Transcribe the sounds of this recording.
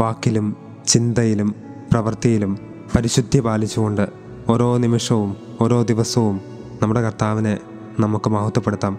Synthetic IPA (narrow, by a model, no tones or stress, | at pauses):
ʋaːkːilum | t͡ɕind̪ɐjilum | prɐʋɐrt̪ijilum | pɐɾiɕud̪ʱjɐbaːlit͡ɕːuɣo̞ɳɖɨ | o̞ɾo̞ːnimiʂɐʋum | o̞ɾo̞ːd̪iʋɐsɐʋum | nɐmːuɽe̞kɐrt̪aːʋine | nɐmukːɨmɐhut̪ːɐpːeɽut̪ːaːm